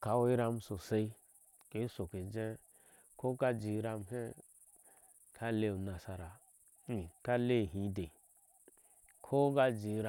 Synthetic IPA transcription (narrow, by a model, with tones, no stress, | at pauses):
ka˨˦wi˦ɾa˧m˦so˨se˧i˦ | ke˨˦so˨ke˨d͡ʒẽ˦ | kʰo˦ka˦d͡ʒi˨˦ɾa˧m˦he˦ | kʰa˦le˧˦˨u˨na˨sa˨ɾa˨ | i˨ka˦le˦˨ɦĩ˨˦de˨ | kʰo˦ɡa˦d͡ʒi˨˦ɾa˨